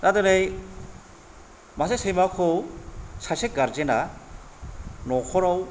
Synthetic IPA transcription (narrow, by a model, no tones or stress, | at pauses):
tadanej | masesejmakʰɔwsasek̚ɡaɾzena | nɔkʰɔɾaw